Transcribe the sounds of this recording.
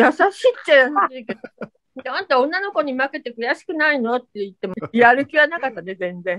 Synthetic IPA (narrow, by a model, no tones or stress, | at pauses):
jasaɕiːt̪ːeaiiked̪o | d̪ãnt̪eõ̞nːano̞ko̞ɲ̟imake̞t̪e̞kɯ̟jaɕi̥kɯ̟naino̞t̪ːeit̪ːe̞miaɾɯ̟kʲiβanakat̪ːane̞zẽ̞nd͡zẽ̞